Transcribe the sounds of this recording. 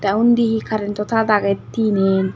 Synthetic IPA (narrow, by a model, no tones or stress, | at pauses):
t̪ɐʊnd̪ihikaɾɛnt̪ɔt̪ad̪aɡɛt̪ːiːneːn